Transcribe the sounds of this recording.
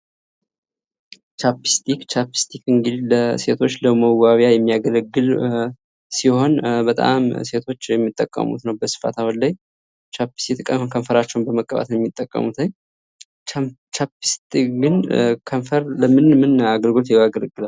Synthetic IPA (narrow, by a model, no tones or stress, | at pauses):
t͡ʃapi̥st̪ʰikt͡ʃapi̥st̪ʰikɨŋɡɨd̪ləse̞t̪ʰo̞t͡ʃːləməwaβjajɛmːijaɡələɡːɨl | siho̞nbət̪ʼa̰mse̞t̪ʰo̞t͡ʃːjɛmːit̪ʼːəkʼːə̰mṵt̪nəwbəsɨ̥fa̰t̪ʰawənlaj | t͡ʃʰapi̥st̪it̪ʰkʼəkʰəɱfəɾat͡ʃːɛwnbəməkʼːəβa̰t̪jɛmːit̪ʼːəkʼːə̰mut̪ʰəɲ | t͡ʃapist̪ikɡɨnkʰəɱfəɾləmɨnmɨnaɡəlɡolt̪jɛaɡələɡːɨlaw